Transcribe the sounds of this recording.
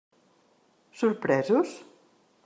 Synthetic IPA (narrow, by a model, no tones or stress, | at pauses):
suɾpɾɛzus